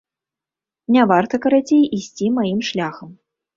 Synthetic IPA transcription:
nʲavart̪ɐkɐɾat͡sʲejisʲt͡sʲimajimʂlʲaxɐm

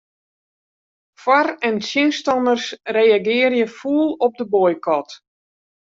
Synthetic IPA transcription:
fwarɛnsjɪnstɑnərsrejaɡɪːərjəfuːlˠɔp̚dəbojkɔt

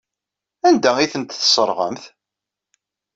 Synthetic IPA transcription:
ænd̪æiθənt̪θsˤəɾˤʁə̰mθ

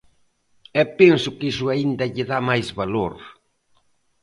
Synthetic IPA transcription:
ɛpensʊkiʃʊaind̪ɐʎɪðamajzβaloɾ

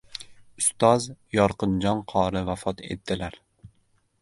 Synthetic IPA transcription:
ʊst̪ɒzjɒɾqɨnd͡ʒɒnqʰɒɾɪvafɒt̪ʰe̞̰t̪ːɪlaɾ

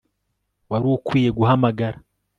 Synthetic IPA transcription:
waɾiwokwiːjeɡuɦamaɡaɾa

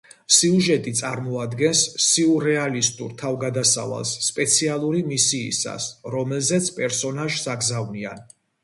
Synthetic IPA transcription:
siuʒɛt̪ʼit̪sʼaɾmɔad̪ɡɛnsːiuɾɛalist̪ʼṵɾt̪ʰavɡad̪asa̰va̰lˠsːpʼɛt̪sʰialˠuɾimisḭːsa̰sɾɔmɛlˠzɛt̪sʰpʼɛɾsɔnaʒsaɡzavnia̰n

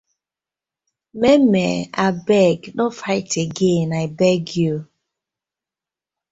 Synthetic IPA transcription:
memḛabɛɡnɔfaɪteɡenaebɛɡjo

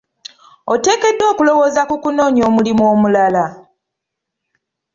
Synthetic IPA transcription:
ote̞ːke̞dːo̞ːkulo̞woːzakukuno̞ːɲo̞ːmulimuomulala

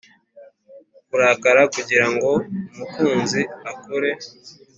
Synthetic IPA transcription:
kuɾaːkaɾakuɟiɾaŋɡo̞umukuːnziakuɾe̞

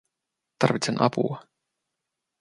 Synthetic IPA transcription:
t̪ɑrʋit̪senʔɑ̰pṵɑ

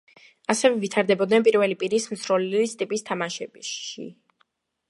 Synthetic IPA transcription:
asɛvɛvit̪ʰaɾd̪ɛbɔd̪nɛnpʼiɾvɛlipʼiɾismt̪sʰɾɔlist̪ʼipʼist̪ʰamaʃɛbʃḭ

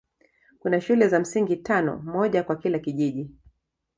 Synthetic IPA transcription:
kunaʃulɛzam̩siŋɡitanɔ̰mɔʄakwakilakiʄiʄi

